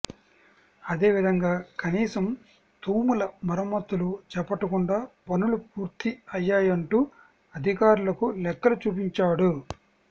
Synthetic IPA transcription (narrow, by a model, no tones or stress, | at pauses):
ɐd̪e̞ːʋid̪ʱɐŋɡaːkɐniːsɐm | t̪uːmulɐmɐɾɐmːɐt̪ːulut͡ʃɛpɐʈːɐkuɳɖaːpɐnulupuːɾt̪iɐjːaːjɐɳʈuː | ɐd̪ʱikaːɾulɐkulɛkːɐlut͡ʃuːp̬iɲt͡ʃaːɽu